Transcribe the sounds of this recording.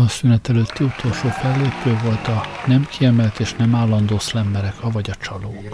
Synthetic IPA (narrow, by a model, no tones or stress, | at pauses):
ɒsynɛt̪ɛløːt̪ːiut̪ʰoːlʃoːfɛlːeːpøːvo̞lt̪ɒnɛmkʰiɛmɛlt̪eːʃnɛmaːlːɒnd̪oːslɛmbɛɾɛkɒvɒɟɒt͡ʃɒloːk